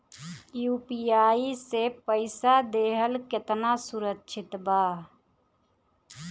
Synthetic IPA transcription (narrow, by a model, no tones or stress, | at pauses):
jupijaːisepəɪsad̪eːɦəlket̪nasuɾəkːʃʰɪt̪baː